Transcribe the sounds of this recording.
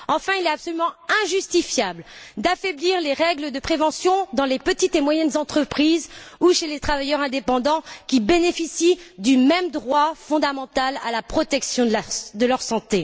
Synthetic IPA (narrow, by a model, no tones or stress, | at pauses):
ɑ̃fɛ̃ilɛt̪apsɔlymɑ̃ɛ̃ʒyst̪ifjabld̪afɛbliʁleʁɛɡləd̪əpχevɑ̃sjɔ̃d̪ɑ̃lepət̪it̪emwajɛnzɑ̃t̪χəpχizuʃelet̪χavajœʁɛ̃d̪epɑ̃d̪ɑ̃kʲibenefisid̪ymɛmd̪ʁwafɔ̃d̪amɑ̃t̪alalapχɔt̪ɛksjɔ̃d̪əlœʁsɑ̃t̪e